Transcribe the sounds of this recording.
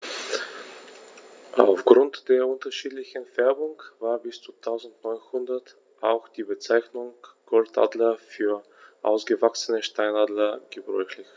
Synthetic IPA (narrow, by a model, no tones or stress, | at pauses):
ʔaʊfɡ̥ʁʊntd̥eːɐʔʊntɐʃiːtlɪçən̩fɛɐbʊŋv̥aːɐbɪst͡sutʰaʊzn̩tnɔʏnhʊndɐt | ʔaʊxd̥iːbət͡saɪçnʊŋɡ̥ɔlta̰dlɐfyːɐ | ʔa̰ʊsɡ̥əvaksənəʃtʰaɪnaːdlɐɡ̥əbʁɔʏçlɪç